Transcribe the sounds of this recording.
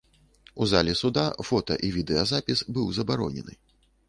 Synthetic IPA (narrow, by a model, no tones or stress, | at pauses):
uzalʲɛsud̪afɔt̪ɐ̰ʔivʲid̪ɛɐzapʲisbɨwzɐbaɾɔ̰nʲɛ̰nɨ̰